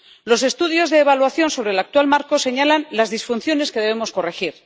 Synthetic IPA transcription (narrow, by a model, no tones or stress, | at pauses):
lo̞se̞st̪uðjo̞zðeːβalwaθjo̞nso̞βɾelak̚t̪walmaɾko̞se̞ɲalanlazðisfun̟θjo̞ne̞ske̞ðe̞βe̞mo̞sko̞re̞xiɾ